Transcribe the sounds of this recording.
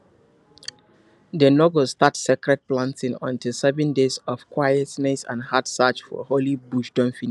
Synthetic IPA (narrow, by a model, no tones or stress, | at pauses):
dənɔɡostatsɛkɹɛd̚plãntɪ̃ŋɔ̰̃ntilsɛvɛ̃ndezɔfkwajɛtnɛsã̰nhatsat͡ʃfɔ̰holibuʃdɔ̃mfin